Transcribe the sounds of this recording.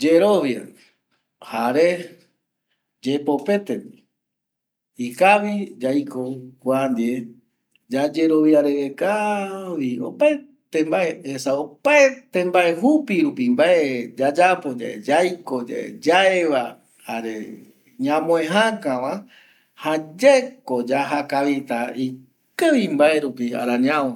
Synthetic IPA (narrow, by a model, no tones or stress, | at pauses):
d͡ʒeɾoβja̰ | haɾe | d͡ʒepo̞pe̞t̪emi | ikaβid͡ʒajkokʷuand̪ie | d͡ʒad͡ʒe̞ɾo̞βjaɾeɾekaβio̰pae | t̪ẽmbaʔeesaopaet̪ẽmbae̞hupiɾupimbaed͡ʒad͡ʒapo̞d͡ʒa̰ḛd͡ʒajko̞d͡ʒa̰ḛd͡ʒaeβa | haɾḛ | ɲãmõẽɦãkãʋa | had͡ʒekod͡ʒaɦakaβit̪ai | kɨβimbae̞ɾupia̰ɾãɲãõ